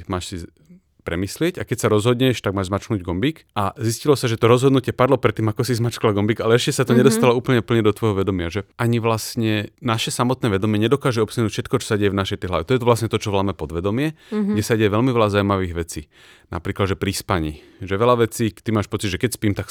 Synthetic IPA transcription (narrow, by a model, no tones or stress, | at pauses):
maːʃsi | pɾɛmislɪɛcakɛcsaɾɔzɦɔd̪ɲɛʃt̪aɡ̚maːʒzmat͡ʃknuːɟɡɔmbiːkʔaziscilɔsaʒɛt̪ɔɾɔzɦɔd̪nucɪɛpad̪lɔpɾɛt̪ːiːmakɔsizmat͡ʃklaɡɔmbiɡalɛɛʃcɛsat̪ɔɲɛd̪ɔst̪alɔuːpl̩ɲɛpl̩ɲɛd̪ɔt̪ʋɔjɦɔʋɛd̪ɔmɪaʒɛʔaɲiʋlast̪ɲɛnaʃɛsamɔt̪nɛːʋɛd̪ɔmɪɛɲɛd̪ɔkaːʒɛɔpsanuːcfʃɛt̪̚kɔt͡ʃɔ̥sadɟɛjɛvnaʃɛjt̪ɛjɦlaʋɛt̪ɔjɛt̪ʋlasɲɛt̪ɔt͡ʃɔʋlaːmɛpɔd̪ʋɛd̪ɔmɪɛɡɟɛsaɟɛɛʋɛlmiʋɛlazaumaʋiːɣʋɛt͡sḭː | na̰pɾiːklad̪ʒɛpɾispaɲḭː | ʒɛʋɛlaʋɛt͡siːt̪imaːʃpɔt͡siɟ̪ʒɛkɛcspiːmt̪ak